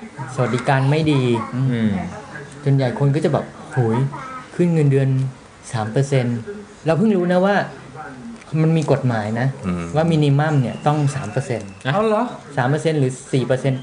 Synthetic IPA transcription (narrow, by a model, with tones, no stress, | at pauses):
sa˧wa˨˩t̪̚diː˧kaː˧nma˥˩jdiː˧˩ | so˨˧nja˨˩jkʰo˧nkʰɔː˥˩t͡ɕa˨˩bɛː˨˩p̚hu˩˦jkʰɯ˥˩nŋɤ˧ndɯ˧ən | saː˩˦mpɤː˧se˧n | ɾa˧wpʰɯ˥˩ŋɾuː˦˥na˦˥waː˥˩ | ma˧nmiː˧ko˨˩t̪̚maː˩˦jna˦˥waː˥˩miː˧ni˧ma˥˩mni˥˩ɐt̪ɔ˥˩ŋsaː˩˦mpɤː˧se˧na˧a˧lɔ˦saː˨˩˦mpɤː˧se˧nɾɯː˩˦siː˨˩pɤː˧se˧n